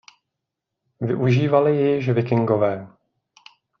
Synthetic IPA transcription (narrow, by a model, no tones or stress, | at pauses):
vɪʔuʒiːvalɪjɛjɪʃvɪkɪŋɡovɛː